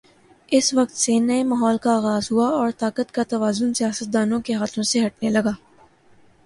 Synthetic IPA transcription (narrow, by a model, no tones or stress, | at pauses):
ɪsʋɐk̚t̪senɐemaːɦɔːlkaːɣaːzɦuaɔːɾt̪aːkət̪kat̪ɐʋaːzʊnsijaːsət̪̚d̪aːnõkeɦaːt̪ʰõseɦɐʈ̚nelɐɡaː